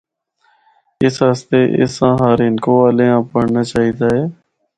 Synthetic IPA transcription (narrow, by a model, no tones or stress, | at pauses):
ɪsɦəst̪eːʔɪ̰sãːɦaːɾɪnkoːaːleːãːpəɽnaːt͡ʃaːɦiːd̪aːɦeː